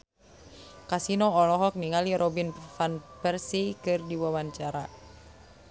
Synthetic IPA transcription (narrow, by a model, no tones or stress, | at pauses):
kasinɔɔlɔɦɔk̚niŋaliɾʔɔbinfanpɛrsikɨrdiwawaɲt͡ʃaɾa